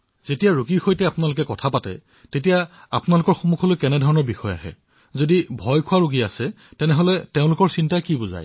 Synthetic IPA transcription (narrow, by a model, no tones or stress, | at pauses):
zetijaɹoɡibixɔjtɛapʊnalʊkɛkɔtʰapatɛ̰ | tetijaapʊnalʊkɔɹxomukʰɔlojkɛnɛdʱɔɹɔnɔɹbixɔja̰ɦɛ̰ | zodibʱɔjkʰuaɹuɡiasɛ | tɛnɛɦolɛteʊ̃lʊkɔɹsintajkiboza̰j